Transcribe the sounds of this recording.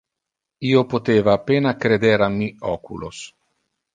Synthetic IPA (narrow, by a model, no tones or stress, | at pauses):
iːopot̪eːvaːpeːnakɾed̪eɾamːiɔːkṵlos